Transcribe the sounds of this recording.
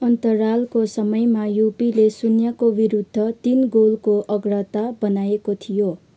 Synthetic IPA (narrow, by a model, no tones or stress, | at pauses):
ʌnt̪ʌralkosʌmʌjmajupilesunjakobiɾud̪ʱːʌt̪inɡolkoʔʌɡrʌt̪abʌnajekot̪ʰijo